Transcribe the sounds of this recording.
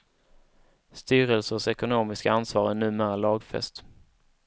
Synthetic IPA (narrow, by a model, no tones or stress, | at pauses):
st̪yːɾɛlsəsɛkʊnoːmɪskaansvɑːɾænʉ̟ːmeːɾaɭɑːɡfɛ̰st̪